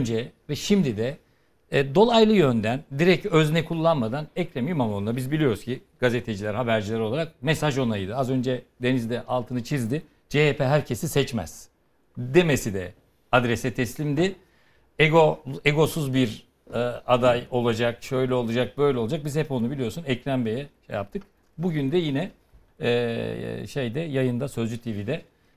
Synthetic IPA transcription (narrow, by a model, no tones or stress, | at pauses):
nd͡ʒɛvɛʃimd̪id̪ɛ | d̪o̞lˠajlˠɯjø̞nd̪ænd̪iɾɛcøznɛkʰulˠːanmad̪anɛcɾemijmamonuabizbilʲijo̞ɾuz̥cʰiɡ̥aze̞t̪ʰe̞d͡ʒilʲæɾhabæɾd͡ʒilʲɛɾo̞lˠaɾak̚mesaʒo̞najd̪ɯazø̞nd͡ʒɛd̪e̞nizd̪ɛʔalˠt̪ʰɯnɯt͡ʃʰizd̪ɪ | d͡ʒeepʰeɦæɾcʰesisɛt͡ʃmæ̰z̥ | d̪emesid̪ɛ̰ | ad̪ɾɛsɛt̪ʰɛslʲimd̪i | eɡo̞eɡo̞suzbiɾ | ad̪ajo̞lˠad͡ʒakʃø̞jlʲɛo̞lˠad͡ʒak̚bø̞jlʲɛolˠad͡ʒak̚bizhɛpo̞nubilʲijo̞ɾsunɛcɾænbe̞jɛʃḛjap̚t̪ʰɯk | buɟynd̪ɛjinɛː | ʃejd̪ɛjajɯnd̪asø̞zd͡ʒyt̪ʰivid̪ɛ